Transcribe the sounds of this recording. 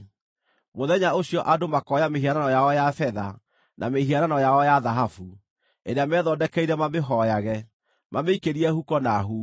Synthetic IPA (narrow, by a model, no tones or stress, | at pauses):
moðɛɲaoɕjɔʔadomakɔjameɦiaɾanɔjaɔjafɛða | nʔa̰mehiaɾanɔjaɔjaðaɦafu | eɾeamɛðɔdɛkɛiɾɛmameɦɔjaɣɛ | mameikeɾiɛhukɔnaɦu